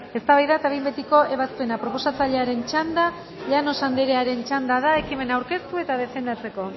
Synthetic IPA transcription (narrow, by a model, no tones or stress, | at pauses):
e̞st̪aβajðat̪aβejmbe̞t̪iko̞ʔe̞βaspe̞napɾo̞po̞sat͡saʎe̞aɾe̞nt͡ʃand̪a | ʎano̞sand̪eɾeaɾe̞nt͡ʃand̪að̞ae̞kime̞nawɾke̞st̪ue̞t̪aðe̞fe̞nd̪at͡se̞ko̞